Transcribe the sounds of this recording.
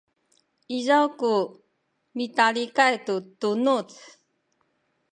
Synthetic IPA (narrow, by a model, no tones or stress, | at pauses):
izawku | mitalikajtutunut͡s